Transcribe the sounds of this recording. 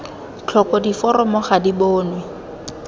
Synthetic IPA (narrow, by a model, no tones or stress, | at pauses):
t͡ɬʰɔkɔdifɔɾɔmɔχadiboːnwɛ